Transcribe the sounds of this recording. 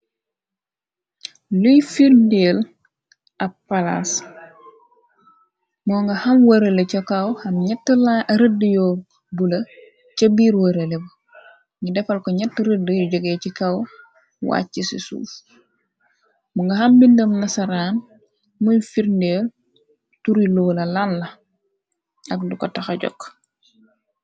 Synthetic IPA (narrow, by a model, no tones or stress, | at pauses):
lujfiɾndeːl | ɐ | ala̰s | mɔːŋɡɐhɐmwəɾelɛcɐkɐwhɐmɲɛtːəlaɾədəjɔː | bulɐ | cɐbiːɾwɐɾelɛbɐ | ɲudɛfɐlkɔɲɛtːəɾədːəjɔɟɔɡɛːcikɐw | wa̰ːcisḭsṵːf | muŋɡɐɦɐmbindəmnɐsɐɾaːn | muɲfiɾndɛ | tuɾilɔːlɐlanlɐ | ɐklukɔtɐxɐɟɔ̰kː